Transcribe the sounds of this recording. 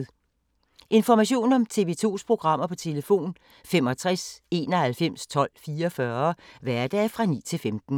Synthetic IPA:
ʔe̝nfɒmæɕo̝̰ːnɒ̽mt͡sʰe̝ʋeːt͡sʰo̝̰ːspʰʁo̝ɡ̥ʁɑ̈m̰ɐpʰɒ̽t͡sʰe̝ləfo̝̰ːn | femɒ̽t͡sʰʁɛse̝ːnɒhælfem̰st͡sʰɒ̽l̰fiːɐɒfɶɐʋæɐd̥ɛːfʁɑ̈nḭːt͡sʰe̝lfemd̥n̩

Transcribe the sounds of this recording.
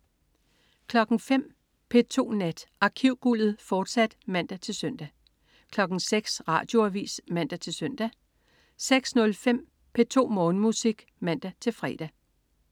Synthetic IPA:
kʰlɒ̽ɡ̥ŋ̩fem̰ | pʰe̝t͡sʰo̝̰ːnæd̥ʔɑ̈kʰiʊ̰ɡ̥ul̰ð̩ˠfɒːd̥sæd̥mæn̰d̥æt͡sʰe̝lsœn̰d̥æ | kʰlɒ̽ɡ̥ŋ̩seɡ̥sʁɑ̰̈ːd̥jo̝æʋḭːsmæn̰d̥æt͡sʰe̝lsœn̰d̥æ | seɡ̥snɔ̽lfem̰ | pʰe̝t͡sʰo̝̰ːmɔ̽ːn̩musiɡ̥ | mæn̰d̥æt͡sʰe̝lfʁɛ̰d̥æ

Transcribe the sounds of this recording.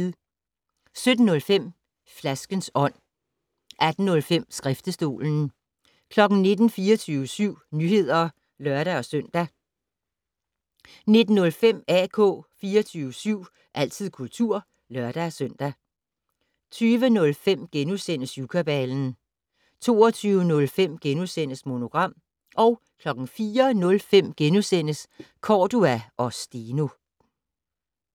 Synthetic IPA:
sød̥n̩ːɔ̽lfem̰ | flæsɡ̥ənsɒ̽n̰ | ʔæd̥n̩ːɔ̽lfem̰sɡ̥ʁɛfd̥əsd̥o̝̰ːln̩ | kʰlɒ̽ɡ̥n̩ne̝d̥n̩fiːɒt͡sʰyːʊəsyʊ̰nyhe̝ð̞̰ˠɐ | lɶɐɾ̥æɒ̽søn̰d̥æ | ne̝d̥n̩ːɔ̽lfem̰ækʰɔ̰̽ːfiːɒt͡sʰyːʊəsyʊ̰ | ʔæl̰t͡sʰið̰ˠkʰult͡sʰuɐ̰ | lɶɐd̥æɒsøn̰d̥æ | t͡sʰyːʋənɔ̽lfem̰ɡ̥enusenəsjukʰæb̥ɛln̩ | t͡sʰo̝̰ːɒt͡sʰyːʊənɔ̽lfem̰ɡ̥enusen̰əsmo̝no̝ɡ̥ʁɑ̈m̰ | ʔɒ̽ʊ | kʰlɒ̽ɡ̥n̩fiːɐnɔ̽lfem̰ɡ̥enusen̰əskʰɒːd̥uæʔɒ̽sd̥iːno̝

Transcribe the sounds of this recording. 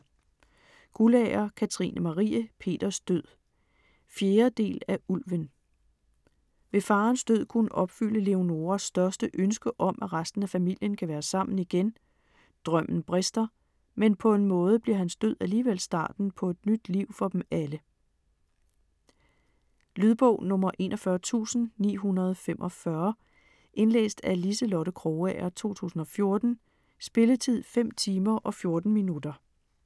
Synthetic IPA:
ɡ̥ulɛɐkʰæt͡sʰʁḭːnʔəmɑ̈ʁḭːəpʰe̝̰ːd̥ɐsd̥øð̰ˠ | fjeːɐd̥e̝̰ːlæʔulʋən | ʋe̝fɑ̈ːnsd̥øð̰ˠkʰunəʔɒ̽b̥fyl̰əle̝o̝no̝ːɐsːd̥ɶɐsd̥əʔønsɡ̥əʔɒ̽mʔæʁasd̥n̩æfæmil̰jənkʰæʋæːɐsɑ̈m̰n̩iɡ̥en | d̥ʁœm̰n̩b̥ʁesd̥ɐ | menpʰɒ̽e̝nmɔ̽ːð̞ˠb̥liɐ̰ɦænsd̥øð̰ˠæliːʋel̰sd̥ɑ̰̈ːd̥n̩pʰɒ̽e̝d̥nyd̥liʊ̰fɒ̽d̥em̩ælə | lyð̞ˠb̥ɔ̰ʊ̰nɔ̽mɐʔe̝̰ːnʔɒfɶːɐt͡sʰṵːsn̩nḭːɦunɐð̞ˠfem̰ʔɒ̽fɶɐ | ʔe̝nlḛːsd̥ælisəlɔɾəkʰʁoːææɐt͡sʰo̝̰ːt͡sʰṵːsn̩ɒ̽fjo̝ɐd̥n̩ | sb̥e̝lət͡sʰið̞̰ˠfem̰t͡sʰiːmɐʔɒ̽fjo̝ɐd̥n̩minud̥ɐ

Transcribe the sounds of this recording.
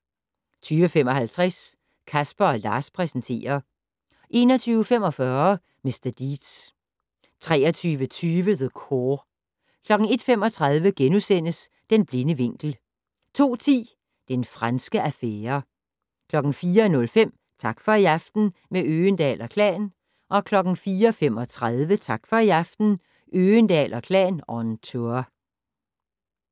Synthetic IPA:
t͡sʰyːʋəfemɒ̽hælt͡sʰʁɛs | kʰæsb̥ɐɒ̽lɑ̈ːspʰʁɛsənt͡sʰe̝̰ːɐ | ʔe̝ːnɒ̽t͡sʰyːʊfem̰ɒ̽fɶːɐ | me̝sd̥ɐd̥id̥s | t͡sʰʁɛːɐt͡sʰyːʋət͡sʰyːʋəðəkʰo | kʰlɒ̽ɡ̥n̩e̝d̥femɒ̽t͡sʰʁɑ̈ðˠʋəɡ̥enusen̰əs | d̥enb̥le̝nəʋe̝ŋ̰ɡ̥l̩ | t͡sʰo̝̰ːt͡sʰḭː | d̥enfʁansɡ̥əʔæfeːɐ | kʰlɒ̽ɡ̥n̩fiːɐnɔ̽lfem̰ | t͡sʰɑ̈ɡ̥fɒ̽iæfd̥n̩meøːnd̥ɛ̰ːlɒkʰlɛ̰ːn | ʔɒ̽kʰlɒ̽ɡ̥n̩fiːɐɒfem̰ɒ̽t͡sʰʁað̞ˠʋət͡sʰɑ̈ɡ̥fɒ̽iɑfd̥n̩ | ʔøːnd̥ɛ̰ːlɒkʰlɛ̰ːnɒnt͡sʰoɐ

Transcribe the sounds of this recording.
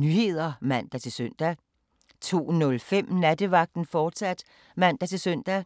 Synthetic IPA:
nyhe̝ð̰ˠɐmæn̰d̥æt͡sʰe̝lsøn̰d̥æ | t͡sʰo̝̰ːnɔ̽lfem̰næd̥əʋɑ̈ɡ̥̚d̥n̩fɒːd̥sæd̥ | mæn̰d̥æt͡sʰe̝lsœn̰d̥æ

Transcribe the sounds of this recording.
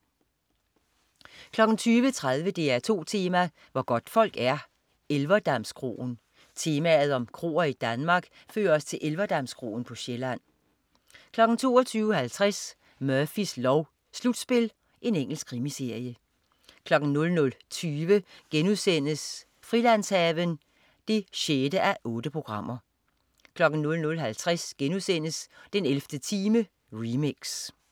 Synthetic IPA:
kʰlɒ̽ɡ̥n̩t͡sʰyːʋət͡sʰʁaðˠʋəd̥e̝æɐt͡sʰo̝̰ːt͡sʰe̝ːmæ | ʋɒɡ̥ɒ̽d̥fɒ̽l̰ɡ̥æɐ | elʋɐd̥æmskʰʁo̝̰ːn̩ | t͡sʰe̝ːmæð̞̩ˠɒ̽mkʰʁo̝̰ːɐid̥ænmɑ̈ːɡ̥ | fø̰ːɐɒst͡sʰe̝lʔelʋɐd̥ɑmskʰʁo̝̰ːn̩pʰɒ̽ɕelæn̰ | kʰlɒ̽ɡ̥n̩t͡sʰo̝̰ːɒt͡sʰyːʊhælt͡sʰʁas | mœɐfislɒʊ | slud̥sb̥e̝l | ʔe̝neŋ̰l̩sɡ̥ʰʁimise̝ɐ̰jə | kʰlɒ̽ɡ̥n̩nɔ̽lnɔ̽lt͡sʰyːʋəɡ̥enuðˠsen̰əs | fʁilæn̰shɛːʋən | d̥e̝ɕed̥əʔæʔɔ̽ːd̥əpʰʁo̝ɡ̥ʁɑ̈m̰ɐ | kʰlɒ̽ɡ̥n̩nɔ̽lnɔ̽lɦælt͡sʰʁasɡ̥enuðˠsen̰əsd̥enelfd̥ət͡sʰiːmə | ʁimeɡ̥s

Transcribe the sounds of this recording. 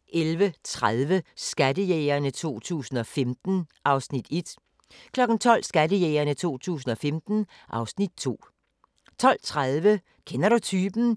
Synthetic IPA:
ʔelʋət͡sʰʁaðˠʋəsɡ̥ædəjeːɪɐnət͡sʰo̝̰ːt͡sʰṵːsn̩ɒ̽femd̥n̩ʔɑ̈ʊsnid̥e̝d̥ | kʰlɒ̽ɡ̥n̩t͡sʰɒ̽l̰sɡ̥ædəjeːɐnət͡sʰo̝̰ːt͡sʰṵːsn̩ɒ̽femd̥n̩ | ʔɑ̈ʊsnid̥̚t͡sʰo̝̰ː | t͡sʰɒ̽l̰t͡sʰʁaðˠʋə | kʰenɐɾut͡sʰyːb̥n̩

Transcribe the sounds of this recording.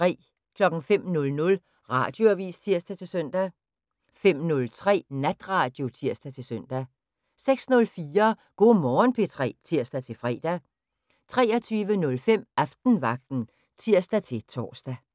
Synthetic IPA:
t͡sʁɛ̰ː | kʰlɒ̽ɡ̥ŋ̩fem̰nɔ̽lnɔ̽l | ʁɑ̈ːd̥jo̝æʋḭːst͡sʰiɐ̰sd̥æt͡sʰe̝lsœn̰d̥æ | fem̰nɔ̽lt͡sʰʁɛ̰ːnæd̥ʁɑ̈ːd̥jo̝t͡sʰiɐ̰sd̥æt͡sʰe̝lsœn̰d̥æ | seɡ̥snɔ̽lfiːɐɡ̥o̝̰ːmɒːnpʰe̝t͡sʰʁɛ̰ːt͡sʰiɐ̰sd̥æt͡sʰe̝fʁɛ̰ːd̥æ | t͡sʰʁɛːɐt͡sʰyːʋənɔ̽lfem̰æfd̥n̩ʋɑ̈ɡ̥̚d̥n̩ | t͡sʰiɐ̰sd̥æt͡sʰe̝t͡sʰɒ̰ːsd̥æ

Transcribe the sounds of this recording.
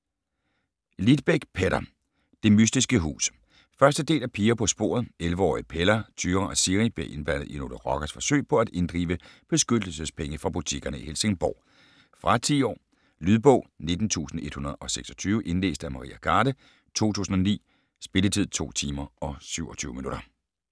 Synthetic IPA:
lid̥̚b̥eɡ̥pʰeɾɐ | d̥e̝mysd̥isɡ̥əɦṵːs | fɶɐsd̥əd̥e̝̰ːlæpʰiːɐpʰɒ̽sb̥o̝̰ɐð̞̩ˠelʋəɒ̰ːipʰelɐt͡sʰyːʁɐʔæsiʁib̥leʔe̝nb̥æn̰ð̩ˠino̝̰dəʁɒ̽ɡ̥æsfɒ̽sø̰ɪ̰pʰɒ̽æd̥e̝nd̥ʁḭːʋəb̥e̝sɡ̥ød̥l̩səspʰeŋəfʁɑ̈b̥ut͡sʰiɡ̥ɐnəihelse̝ŋb̥ɒ̰ː | fʁɑ̈t͡sʰiːɒ̰ː | lyðˠb̥ɔ̽ʊ̰ne̝d̥n̩t͡sʰṵːsn̩e̝d̥hunɐð̩ˠɒ̽seɡ̥sɒ̽t͡sʰyːʋəʔe̝nlḛːsd̥æmɑ̈ʁḭːʔæɡ̥ʰɑːɾə | t͡sʰo̝̰ːt͡sʰṵːsn̩ɒ̽nḭː | sb̥e̝lət͡sʰið̞̰ˠt͡sʰo̝̰ːt͡sʰiːmɐɒ̽syʊɒt͡sʰyːʊəminuɾ̥ɐ

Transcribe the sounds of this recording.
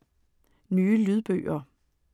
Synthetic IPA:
nyːəlyð̞ˠb̥ø̰ːɐ

